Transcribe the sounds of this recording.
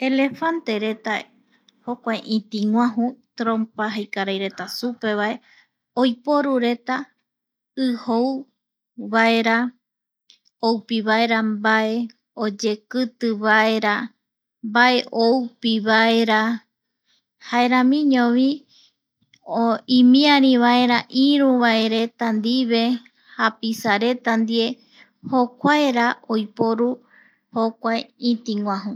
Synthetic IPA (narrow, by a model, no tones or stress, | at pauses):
e̞le̞fant̪e̞ɾe̞t̪a | hokʷajʔĩt̪ĩŋwʷãɦũt̪ɾõmpaɦajkaɾajɾe̞t̪asupe̞βae̞ | ojpo̞ɾuɾe̞t̪a | ɨhow | βae̞ɾa | owpiβae̞ɾambae̞ | od͡ʒe̞kɨt̪ɨβae̞ɾa | mbaʔe̞ʔowpiβaeɾa | haeɾãmĩɲõʋĩ | oĩmĩãɾ̃ĩβaeɾaʔĩɾũβaeɾe̞t̪and̪iβe̞ | hapisaɾe̞t̪and̪ie̞ | hokʷaeɾaojpoɾu | hokʷaeĩt̪iŋʷãɦũ